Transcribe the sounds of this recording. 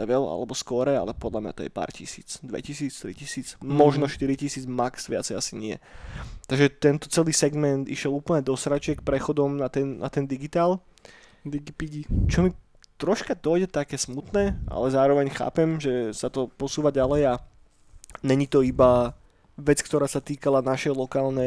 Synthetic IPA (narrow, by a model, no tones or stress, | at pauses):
lɛ̰ʋɛla̰lɛbɔskɔɾɛa̰lɛpɔd̪lamɲa̰t̪ɔjɛ̰pa̰ːɾcḭsḭːt͡sd̪ʋɛ̰cisiːt͡st̪ɾḭcisiːt͡smɔʒnɔʃt̪iɾicisiːd͡zmaksʋɪa̰t͡sɛjasiɲɪɛ̰t̪aɡʒɛt̪ɛnt̪ɔt͡sɛliːsɛɡmɛnd̪ḭʃjɛluːpl̩ɲɛd̪ɔsɾat͡ʃɪɛkpɾɛxɔd̪ɔmnat̪ɛnna̰t̪ɛnd̪iɡit̪aːlˠ | t͡ʃɔmi | t̪ɾɔʃkad̪ɔjɟɛt̪akɛːsmut̪nɛːʔa̰lɛzaːɾɔʋɛɲxa̰ːpɛmʒɛsat̪ɔpɔsuːʋaɟalɛja | ɲɛɲit̪ɔiba | ʋɛt͡skt̪ɔɾaːsat̪iːkalanaʃɛjlɔkaːlnɛ